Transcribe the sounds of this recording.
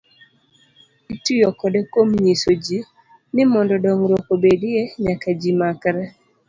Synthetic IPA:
itujɔkɔdɛkomɲisod͡ʒi | nɪmɔndɔdɔŋɾokobedɪeɲakad͡ʒimakɾa

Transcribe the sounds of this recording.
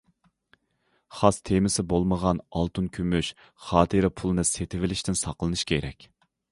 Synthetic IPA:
χɑst̪ʰemɪsɪbolˠməʁɑnɑlˠt̪unkʲʰymyʃ | χɑːt̪ʰɨɾɪpʰulˠɨnɨset̪ʰɪvɪlɪʃt̪ɪnsɑqlˠɨnɨʃkʲʰeɾɛ̰kʲ

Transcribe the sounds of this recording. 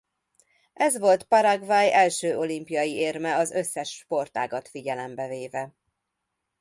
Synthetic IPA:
ʔɛzʋo̞lt̪pɒɾaɡvaːjɛlʃøːʔo̞limpijɒjieːrmɛɒzø̞sːɛʃːpo̞rt̪a̰ːɡɒt̪fiɟɛlɛmbɛveːvɛ

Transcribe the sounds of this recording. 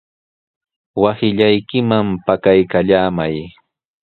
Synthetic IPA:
wasɪʎajkɪmampakajkaʎaːmaj

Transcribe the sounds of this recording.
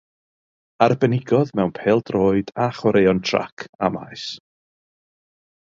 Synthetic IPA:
arbɛnɪɡɔðmɛwnpʰeːlˠd̥roːɨd̥aχwɔɾejɔntʰr̥a̰kʰama̰js

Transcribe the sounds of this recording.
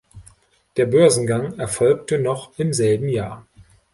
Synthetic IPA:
d̥eːɐbœɐzn̩ɡaŋɛɐfɔlk̚tənɔχɪmzɛlbm̩jaːɐ

